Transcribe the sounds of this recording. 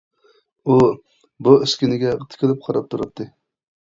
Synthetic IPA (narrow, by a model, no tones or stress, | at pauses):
u | buɪskʲinɪɡʲɛʁət̪ʰɪ̥kʰʲɪlˠɪp̚qʰɑɾɑp̚t̪ʰuɾɑt̪ʰːɨ